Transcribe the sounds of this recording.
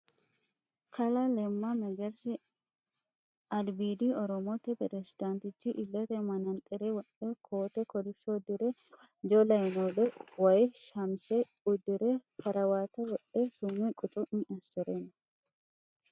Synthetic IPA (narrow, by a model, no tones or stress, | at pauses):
kɐlalɛmːamɛɡɐɾsɪ | ɐlbiːd̪iːɔɾɔmoːt̪ɛpɾɛsɪd̪ant̪ɪt͡ʃːiʔɪlːɐt̪ɛmɐnɐnt̪ʼɛɾewɐᶑekʰoːt̪ɛkɔlɪɔd̪ɪɾed͡ʒolɐjnoːlɛwɐjʃɐmse | ʊd̪ɪɾekʰɐɾɐwaːt̪ɐwɐʔesumɛkʼʊt̪ʼʊʔnɐsɛɾenɐ